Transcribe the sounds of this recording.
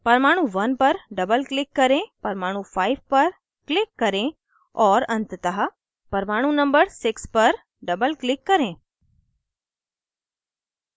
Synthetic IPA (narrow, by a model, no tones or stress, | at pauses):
pɐɾmaːɽ̃ũʋɐnpɐɾɖɐbəlklɪkːɐɾẽpɐɾmaːɽ̃ũfʰaːiʋpɐɾ | klɪkːɐɾẽ | ɔːɾɐ̃nt̪ət̪əɦə | pɐɾmaːɽ̃ũnɐ̃mbəɾsɪkspɐɾ | ɖɐbəlklɪkːɐɾẽː